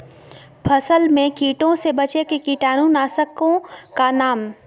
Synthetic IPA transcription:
pʰɐsəlmẽkiːʈõsebɐt͡ʃekekiʈaːnuːnaːsəkõkanaːm

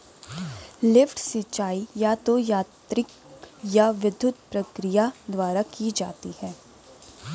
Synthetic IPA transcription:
lɪfʈsɪt͡ʃaːijat̪ojaːt̪ɾɪk̚ | jaʋɪd̪ʱːʊt̪pɾɐkɾijad̪waːɾakid͡ʒa̰ːt̪ihɛː

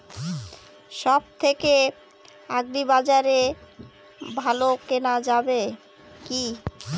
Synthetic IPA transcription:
ʃɔb̚t̪ʰeke | aɡɾibad͡ʑaɾe | bʱalokenad͡ʑabe | ki

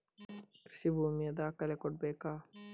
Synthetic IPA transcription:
sibumied̪aːkɐlekoʈ̚beːkaː

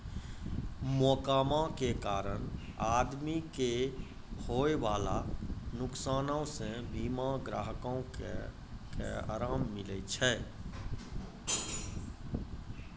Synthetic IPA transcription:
mɔːkaːmãkekaːɾəñaːd̪mike | hoːeʋaːlanʊksaːnãsebiːmaɡɾa̰ːɦəkõ | kḛa̰ːɾaːmːɪlɛt͡ʃʰɛː

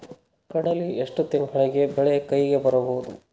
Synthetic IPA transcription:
kɐɽɐlieʂʈut̪inɡɐɭiɡe̞beɭejɐkɐjɡe̞bɐɾɐboːud̪ṵ

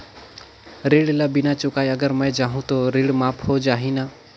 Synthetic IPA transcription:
ɾiːɽlabɪnat͡ʃʊkaːjəɡəɾmə̃jd͡ʒaːɦũt̪oɾiːɽmaːpʰhod͡ʒaːɦĩnaː

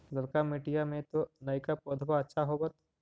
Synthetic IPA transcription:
lɐɾkamiʈijamẽt̪onɐikapoːd̪ʱbaɐtːʃʰaɦobət̪

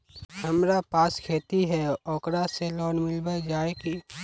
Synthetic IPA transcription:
hɐmɾapaːskʰeːt̪iɦɛɔːkɾaselɔːnmɪlbəd͡ʒaːeki

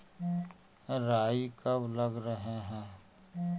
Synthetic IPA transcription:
ɾaːikəbləɡɾəɦeɦɛ̃ː

